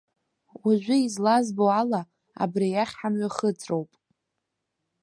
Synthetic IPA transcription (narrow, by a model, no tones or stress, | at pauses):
waʒᶣʷʊizlazbowala | a̰brijaχʲħamɥaχəd͡zʰʼrowpʼ